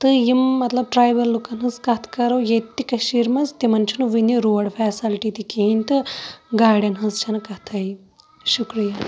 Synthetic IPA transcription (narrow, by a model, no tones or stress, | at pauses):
t̪ɨjimːɐt̪lɐb̚ʈɾaːjʋɐlːukɐnɦɐzkɐt̪ʰkɐɾowjet̪ːikɐʃiɾmɐzt̪imɐnt͡ʃʰinuʋiniɾuːʋɐɽfʰɛːsilʈit̪ikeinʲt̪ɨɡaːɽʲjɐnɦɐzt͡ʃʰɐnkɐt̪ʰɐj | ʃukɾija